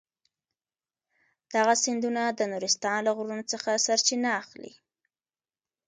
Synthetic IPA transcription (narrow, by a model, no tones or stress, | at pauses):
d̪̥aɣasɪnd̪unad̪ənuɾɪst̪ɑnlaɣɾunot͡səxasaɾt͡ʃinaːxlḭ